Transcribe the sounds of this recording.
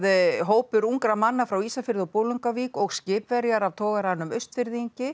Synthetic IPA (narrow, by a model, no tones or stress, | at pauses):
ðɦoːwpʏɾuŋkɾamanːafɾawiːsafɪɾðɔpoːwlʏŋkavikɔɣscɪːpvɛɾjaɾavt̪ʰɔːɣaɾanːʏmœɥst̪fɪɾðiɲcɪ